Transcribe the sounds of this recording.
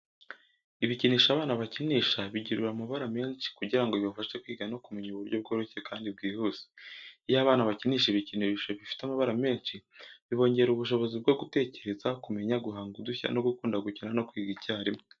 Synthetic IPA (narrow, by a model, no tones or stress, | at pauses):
iβiciniːʃaβaːnaβaciniːʃaβiɟiɾuɾamaβaɾame̞ːnʃi̥kuɟiɾaŋɡo̞iβafaʃekwiːɡano̞kume̞ɲuβuɾɟo̞b̚ɡo̞ːɾoçe̞kaːndib̚ɡiːhuz̥e̥ijaːβaːnaβaciniːʃaiβiciniʃaβifi̥tamaβaɾame̞ːnʃiβiβo̞ːɲɟe̞ɾuβuʃo̞βo̞zib̚ɡo̞ɡute̞ːce̞ɾe̞zakume̞ɲaɡuɦaːŋɡuduça̰no̞ɡukuːndaɡucinano̞kwiːɡicaːɾime